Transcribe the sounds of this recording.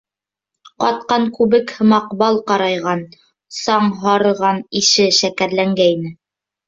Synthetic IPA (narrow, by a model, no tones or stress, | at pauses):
qɑt̪̚qɑŋkʉβɘkhɤ̆mɑqbɑlˠqɑɾɑjʁɑn | sɑɴɦɑɾɤ̆ʁɑniʃɘʃækæɾlæŋɡæinɘ